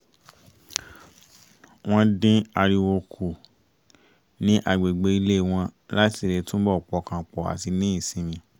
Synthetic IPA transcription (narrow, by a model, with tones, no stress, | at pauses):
w̃ɔ̃˦dĩ˦a˧ɾi˧wo˧kʰu˨ | nĩ˦ʔa˦˨ɡ͡be˨ɡ͡be˧˦i˧le˦˨w̃ɔ̃˧la˦ti˦˨ɾe˨˧˦tũ˦bɔ˦˨k͡pɔ˧˦kã˧˨k͡pɔ˨a̰˨ti˧nĩ˦ĩ˦˨sĩ˨˦mĩ˧